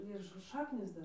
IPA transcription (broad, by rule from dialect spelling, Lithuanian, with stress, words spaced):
ɪr ʃ ˈʃɑːknʲiːs ˈdɐr